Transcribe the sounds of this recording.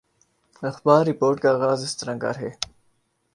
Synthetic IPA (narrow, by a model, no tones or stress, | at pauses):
ɐxbaːɾːipoːɾʈkaɣaːzɪst̪əɾɐ̃ŋɡa̰ːɾɦeː